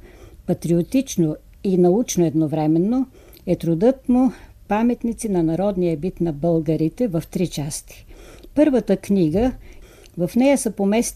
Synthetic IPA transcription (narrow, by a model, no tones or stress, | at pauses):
pɐt̪ɾiot̪it͡ʃno | inɐut͡ʃnoɛd̪novɾɛmɛnːo | ɛt̪ɾʊd̪ɤt̪mʊ | pamɛt̪nit̪sinɐnɐɾɔd̪nijəbit̪nɐbəlˠɡəɾit̪ɛvɐft̪ɾit͡ʃast̪i̥pɤɾvət̪əkniɡə | vɐfnɛjəsəpomɛst̪